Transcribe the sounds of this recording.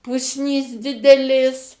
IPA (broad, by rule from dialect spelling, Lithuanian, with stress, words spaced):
ˈpʊsʲnʲiːs ˈdʲɪdʲɛlʲeːs